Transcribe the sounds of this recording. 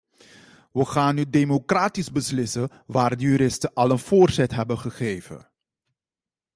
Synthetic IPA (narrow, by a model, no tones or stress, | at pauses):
ʋəχaːnydejmokraːtizbəslɪsə | ʋaːrdəjyɾɪstəʔɑlənvoːrzɛtɦɛbənχəχejvə̰